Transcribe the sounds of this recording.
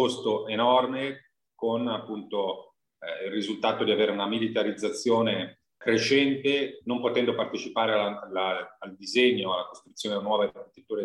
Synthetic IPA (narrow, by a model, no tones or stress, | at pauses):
ost̪oʔenɔrme | konapːunt̪o | ilrːizult̪aːt̪od̪iaveːɾeunamilit̪aɾid̪zːat̪sːjoːne | kɾeʃɛnt̪enompot̪ɛnd̪opart̪et͡ʃipaːɾealaalːaːld̪izeɲːoalakost̪ɾut̪sːjoːnenwɔːvaed̪nt̪et̪ːuːɾe